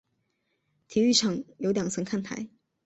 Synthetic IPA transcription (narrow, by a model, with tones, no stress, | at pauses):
t̪ʰi˧˥y˥˧ʈ͡ʂʰɑ˨˩ŋjo˧ʊt̪jɑ˨˩ŋt͡sʰɤ˧˥ŋkʰa˥˩nt̪ʰa̰˧˥ɪ